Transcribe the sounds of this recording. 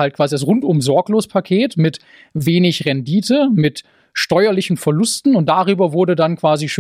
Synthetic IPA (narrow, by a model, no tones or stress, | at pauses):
altkv̥aːzidas̬ʁʊntʊmzɔɐkloːspʰakʰeːtmɪt | veːnɪçʁɛndiːtəmɪt | ʃtɔʏɐlɪçn̩fɛɐlʊstn̩ʊnt̚d̥aʁ̞yːbɐvʊɐdədankv̥aːziʃo